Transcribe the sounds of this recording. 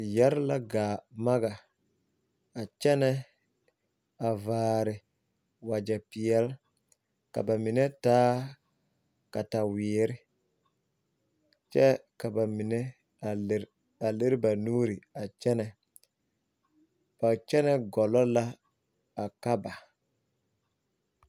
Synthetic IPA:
jɛ˦ɾla˦ɡaː˨ma˦ɡa˨ | a˨t͡ʃɛ˦nɛ˦ | a˨vaː˨˦ɾɪ˨ | wa˨d͡ʒɛ˨pɪ˨jɛ˦l | ka̰˨ba˨mi˨nɛ˦taː˦ | ka˨ta˨wɪː˨˦ɾɪ˦ | t͡ʃɛ˦ka˨ba˨mi˨nɛ˦˨˦ | a˨le˦ɾɪ˦ba˨nuː˦ɾi˨a˨t͡ʃɛ˦nɛ˨ | b̥a˨t͡ʃɛ˦nɛ˦ɡɔ˨lɔ˦la˦ | a˨ka˦ba˨

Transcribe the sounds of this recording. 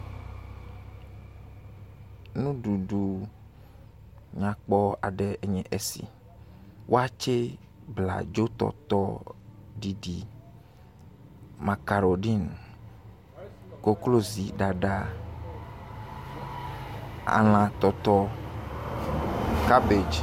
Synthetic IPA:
nũ˦ɖu˨ɖu˨ | ɲã˨k͡pɔ˦a̰˨ɖɛ˨e˨ɲɛ̃˨ʔe˨sḭ˨ | wʔo˦a˦t͡ʃe˦ | bla̰˨d͡ʒo˦t̪ɔ̰˦˨t̪ɔ˦ɖi˦ɖi˨ | mã˨ka˨ɾɔ˨ɖi˦n˨ | ko˦klo˦zi˨ɖa˨ɖa˦ | a̰˨l̃ã˨t̪ɔ˨t̪ɔ˦ | ka˦be˨d͡ʒ

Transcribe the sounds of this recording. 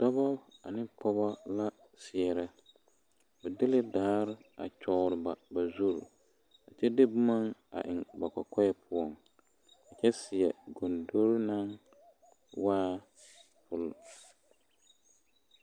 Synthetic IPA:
d̥ɔ˦bɔ˦a̰˨nɪ˦pɔ˦ba˦la˦ | sɪ˨ɛ˨ɾɛ˦ | bɛ˨dɪ˦lɪ˦daː˦ɾɪ˦a̰˨t͡ʃɔ˨ɾɪ˨ba˨ba˨zu˦ɾ | a̰˨t͡ʃɛ˦dɪ˦bʊ˦ma˦ŋa̰˨ʔɪ˨ŋba˨ka˨kɔ˦jɛ˦pʰʊ˦ɔ˨ŋ | a˨t͡ʃɛ˦sɪ˨ɛ˨ɡo˨ndo˦ɾna˦ŋ | waː˦ | pʊ˨l

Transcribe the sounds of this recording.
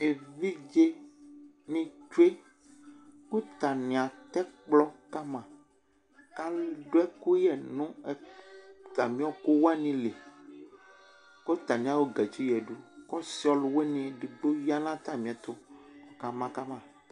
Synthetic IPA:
e˨vi˦d͡ʒe˦ | nĩ˦t͡ʃu˦e˦ | ŋũ˦t̪a˨nĩ˨ã˨t̪ɛ˦k͡plɔ˦ka˦mã˨ | ka˦lɖo˦ɛ˦ku˦jɛ˨nũ˦ | t̪a˨mĩ˦ɔ˦ko˦wɛ˦nĩ˦le˨ | ko˦t̪a˨nĩ˦ã˦wo˦ɡɛ˨d͡ʒi˦jɛ˨ɖu˦kɔ˦si˦ɔ˦lwe˦nẽ˦˨ɖe˨ɡ͡bo˦ji˦a˦nã˦t̪a˦mĩ˨ɛ˨t̪o˦ka˨mã˨ka˦mã˨

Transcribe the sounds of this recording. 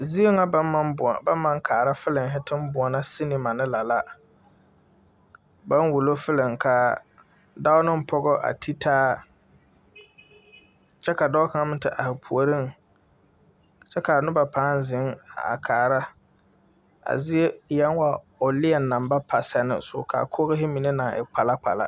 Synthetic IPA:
zi˦o˦ŋa˦˨ba˦m˦mːa˦ŋkʰaː˨ɾa˦fɪ˦lɪ˨ŋ˨ɦɪ˦tɪ˦m˦bʊ˨ɔ˨na˦si˦nɪ˨ma˨nɪ˦la˨la˨ | ba˦nwu˨lo˦fɪ˦lɪ˨ŋ˨kʰa˨ | da˦ʊ˦nɪ˦m̩˦pʰɔ˦ɡɔ˦ʔa̰˨tʰi˦tʰaː˦ | t͡ʃɛ˦ka˨dɔː˦ka˨˦ŋa˦mɪ̃˦tɪ˨ʔa˨hɪ˨pʰu˨o˨ɾi˦ŋ˨ | t͡ʃɛ˦ka˨nʊ˦ba˨pʰaː˨˦n˦zɪ˨˦ŋa̰˨kʰaː˨ɾa˦ | a̰˨zɪ˦e˦jɛ˦nwa˨ | ʊ˨lɪ˦ɛ˨nːã˨mba˦pʰa˨sɛ˦nɪ̰˦sʊ̰˨kʰa̰˨kʰo˦ɣɪ˦ɦɪ˦mi˨ne˦na˨ŋʔɪ̰˨k͡pa˨la˦k͡pa̰˨la̰˦

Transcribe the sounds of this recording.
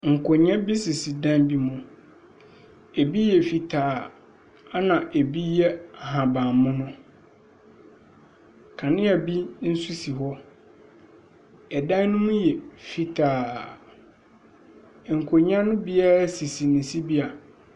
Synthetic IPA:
ŋ̩˨kʰo˨ɲã˦bi˦si˨si˨dã˦nbi˦mʊ̃˨ | e˨bi˦jɛ˨fi˨tʰaː˨ | a˦nã˨ʔe˨bi˦jɛ˦a˨hã˨bã˨mmʊ̃˦nʊ̃˦ | kʰã˨nɪ̃˦a˨bi˦n̩˦su˦si˨ɦɔ˦ | ɛ˨dã˦n˦nʊ̃˦mʊ̃˦jɛ˨fi˨tʰaː˨ | ŋ̩˨kʰo˨ɲã˦nʊ̃˦bi˦a˦ɾa˦si˨si˨nɪ̃˨si˦bi˦a˨

